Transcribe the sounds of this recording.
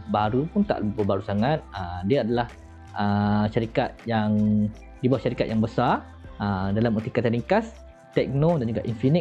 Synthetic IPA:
baɾupʊnt̪a̰ʔləbibəbaɾusaŋat̪̚ədiaːdalah | ʔəʃaɾikat̪̚jaŋ | dibawaʔʃaɾikat̪̚jaŋbəsar | ədalamut̪ikat̪aliŋkas | t̪ɛk̚nodand͡ʒuɡaʔinfinik

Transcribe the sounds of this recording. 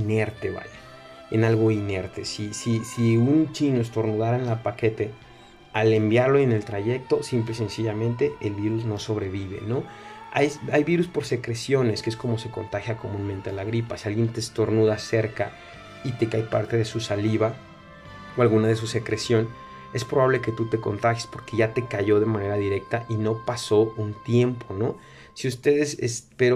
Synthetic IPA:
ine̞ɾt̪e̞βa̰ʎe | enalɣo̞ine̞ɾt̪esisisiunt͡ʃinoes̬t̪o̞ɾnuðaɾaenlapake̞t̪e̞ | ale̞mbjaɾlo̞ene̞lt̪ɾaʝe̞k̚t̪o̞simplese̞nsiʝamẽ̞nt̪e̞elβiɾuzno̞so̞βɾe̞β̞iβ̞e̞̰no̞ajajβiɾuspo̞ɾse̞kɾe̞sjo̞ne̞skee̞sko̞mo̞se̞ko̞nt̪axjako̞mũnment̪eanlaɣɾipasialɣjent̪est̪o̞ɾnuðase̞ɾka | it̪e̞kajpaɾt̪e̞ðe̞susaliβa | oalɣunaðe̞suse̞kɾe̞sjo̞n | e̞spɾo̞βaβle̞ke̞t̪ut̪e̞ko̞̰nt̪axjespo̞ɾke̞ʝat̪e̞kaʝo̞ðe̞mãne̞ɾaðiɾe̞k̚t̪aʔino̞paso̞unt̪je̞mpʰo̞no̞ | siust̪e̞ðe̞sḛspeɾo

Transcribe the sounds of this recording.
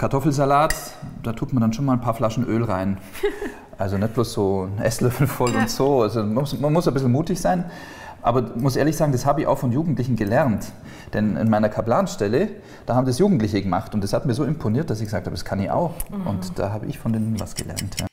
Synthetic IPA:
kʰaɐtʰɔfl̩zalaːt | d̥aːtʁ̥uːkmɐndanʃoːnmalnpʰaːɐflaʃn̩ʔøːlʁaɪn | ʔalzonɛt̚b̥loːsz̥oːʔɛslœfl̩fɔlʊntz̥oːalzomsmanmʊsabɪsl̩muːtɪçz̥aɪn | ʔa̰ːbɐmʊsʔeːɐlɪçz̥aːɡŋ̩dashaːbəɪça̰ʊxfɔnjuːɡŋ̩tlɪçn̩ɡəlɛʁnt | d̥ɛnɪ̰nmaɪnɐkʰablaːnʃtɛlə | d̥aːhabmzisjuːɡŋ̩tlɪçəɡəmaχtʊntd̥ashatmiːɐzoːɪmpʰoniːɐt̚d̥asɪçɡəzaːk̚thabdaskʰanɪça̰ʊxʔʊ̰ntd̥a̰ːɦaːbəʔɪ̰çfɔndeːnənva̰sɡ̥ə̰lʔɛ̰ɐntʰja̰ː

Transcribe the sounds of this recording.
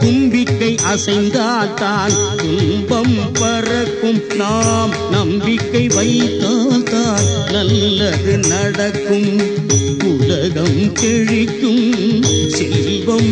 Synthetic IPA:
kʊmbɪkːɐɪʔɐsɐɪnd̪aːlt̪aːnt̪ʊlbɐmpɐrɐkːɯmnaːm | nɐmbɪkːɐɪʋɐɪt̪ːaːlt̪aːlnɐlːɐɾɯnɐɽɐkːɯm | ʊlɐɣɐmkɛɻɪkːɯmsɛl | bɐm

